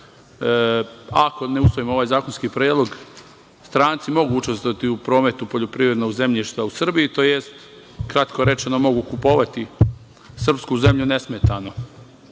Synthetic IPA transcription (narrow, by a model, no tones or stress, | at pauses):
akone̞usʋo̞imooʋaːjzaːkonskiːpɾeːd̪lˠo̞ɡ | st̪ɾaːnt̪simo̞ɡuut͡ʃe̞st̪oat̪iupɾo̞ːme̞t̪upo̞ʎo̞pɾiːʋɾed̪noɡze̞mʎiʃt̪ʋausr̩biit̪oːjest̪ | kɾat̪ko̞ɾe̞t͡ʃe̞nomo̞ɡukupo̞ːʋat̪i | sr̩pskuze̞mʎune̞smet̪ano̞